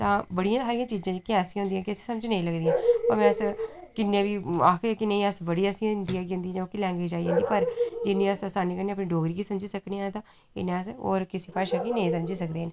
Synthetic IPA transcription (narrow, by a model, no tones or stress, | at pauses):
t̪ãːbəɽijãːsaːɾijãːt͡ʃiːzãːd͡ʒkɪɛ̃ːsĩɦʊ̃nd̪iːãkɪəsĩ̥ːsəmd͡ʒnəĩːləɡd̪ijãːoːɾmɛ̃ːəskɪnːẽːbiːaːkʰɾãːkɪnẽĩəsbəɽiːəsĩnd̪iːɦɛːɡə̃ːnd̪ĩːd͡ʒãːkilɛ̃ːŋɡweːd͡ʒaːiãnd̪iːpəɾd͡ʒɪnːĩːəsəsaːniːkəɾnẽːəpnĩːɖoːɡɾiːkiːsəmd͡ʒiːsəkneːãːt̪ãː | ɪ̰nẽːəso̰ːɾkɪsiːpʰaːʃaːkiːnəĩːsəmd͡ʒiːsəkd̪eːɦən